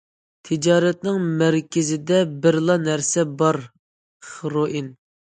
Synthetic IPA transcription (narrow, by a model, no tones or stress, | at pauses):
t̪ʰɪd͡ʒɑːɾɛt̪̚nɪŋmæɾkʲɪzɪd̪ɛbɪɾlˠɑnæɾsɛbɑɾ | χəɾoʔin